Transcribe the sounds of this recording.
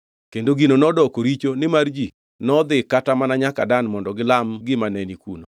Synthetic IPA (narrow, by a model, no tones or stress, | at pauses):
kendoɡinonɔdɔkoɾit͡ʃonɪmard͡ʒi | nɔd̪ɪkatamanaɲakadanmɔndɔɡɪlamɡɪmanɛnikṵno